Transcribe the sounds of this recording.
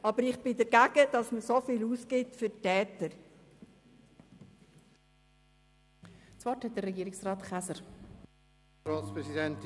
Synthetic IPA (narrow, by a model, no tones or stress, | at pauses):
ɑbəɾɪχb̥ɪdɛɾɡæɡ̥əd̥ɑsməsofiluːsɡɪtfʏtɛːtəɾ | t͡svɔthɛt̚d̥ərɛɡiːɪksʁaːtχasə | ɾaːtspʁɛsidɛnt